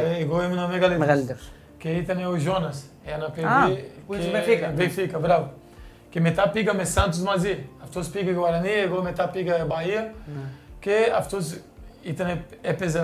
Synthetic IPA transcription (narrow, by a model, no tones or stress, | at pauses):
eɡoɛmnɐmeɡaleal | keit̪ɐnɛuʒonɐs | ɛɐnɐped̪isẽfikbẽj̃fikɐbɾavu | kemet̪apiɡɐmesɐ̃nt̪usmaziɐft̪ospiɡɐkewaɾɐniɐeɡomet̪apiɡɐbaiɐ | keaft̪oz | it̪ɐnɛɛpezɐ